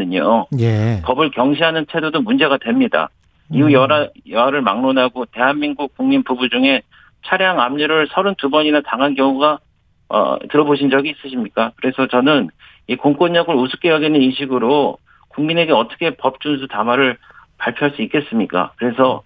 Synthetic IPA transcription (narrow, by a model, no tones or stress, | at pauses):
ɯɲojpʌbɯɭkjʌŋɕʰiɦanɯnt͡ɕʰe̞dodomund͡ʑe̞ɡadwe̞mɲida̰ | iujʌɾajʌaɾɯɭma̰ŋnonɦaɡote̞ɦanminɡuk̚k͈uŋminpubud͡ʑuŋe̞ | t͡ɕʰaɾjaŋamɲiɾɯɭsʰʌɾɯntubʌɲinataŋɦankjʌŋuɡa | ʌ̰tɯɾʌboɕʰind͡ʑʌɡiːs͈ɯɕʰimɲik͈akɯɾe̞sʰʌt͡ɕʌnɯn | ikoŋk͈oɲːʌɡɯɭusʰu̥k͈ejʌɡinɯniɕʰiɡɯɾo | kuŋmine̞ɡe̞ʌt͈ʌ̥kʰe̞pʌp̚t͡ɕ͈uns̬ʰutamwaɾɯɭpaɭpʰjoɦaɭs͈uik͈e̞s͈ɯmɲik͈a̰kɯɾe̞sʰʌ